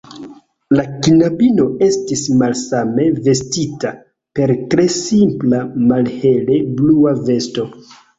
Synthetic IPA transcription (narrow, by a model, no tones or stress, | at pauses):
lakinabino̞e̞stismalsame̞ve̞stita | pe̞ɾtɾe̞simplamalhe̞le̞bluave̞sto̞